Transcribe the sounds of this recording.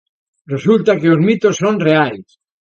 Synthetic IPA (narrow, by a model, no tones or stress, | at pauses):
result̪akeozmit̪osːonreajs